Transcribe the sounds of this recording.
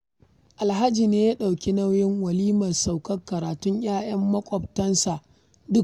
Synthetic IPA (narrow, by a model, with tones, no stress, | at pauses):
ʔa˨lɦa˦d͡ʒiː˨neː˦ja˦ɗa˨wkʲi˦na˦wjɪ˦ŋwɐ˨liː˦mɐ˨rsa˨wkɐ˦kːɐ˨ɾaː˨tʊ˦ɲj̰aː˦j̰ɐ˦mːɐ˦kʷʼɔ˨b̚tɐ˦nsa˨ʔ | dʊ˦k